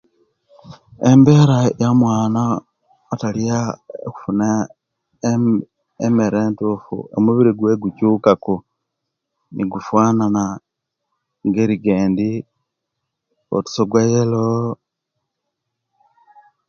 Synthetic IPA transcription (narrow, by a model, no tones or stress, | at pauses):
embe̞ːɾajamwaːnaː | taliaku̥funa | emeɾeːntufṵʔo̞̰muβiɾiɡweɡucukako | niɡufwaːnana | ŋɡeɾiɡeːndi | o̰tu̥soɡwajelo